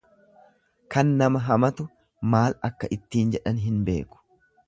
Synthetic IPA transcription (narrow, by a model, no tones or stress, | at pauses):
kɐnːɐmɐɦɐmɐt̪ʊ | maːlɐkːɐʔɪt̪ːiːnd͡ʒɛᶑɐnɦɪnbe̞̰ːkʊ̥